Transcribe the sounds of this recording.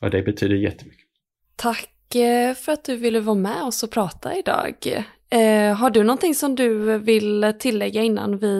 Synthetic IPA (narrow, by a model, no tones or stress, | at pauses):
a̰d̪ɛbɛt̪ʰyːd̪əjɛ̰t̪ːəmʏkːə̥ | t̪ʰakː | fœɾat̪̚d̪ɵvɪlːəvɑːmɛɔsɔpʰɾɑːt̪ʰa̰ɪd̪ɑ̰ːɡ | ɦaɖɵnɔnt̪ɪŋsɔmd̪ɵvɪlt̪ʰɪlːɛɡːaɪnːa̰nvɪ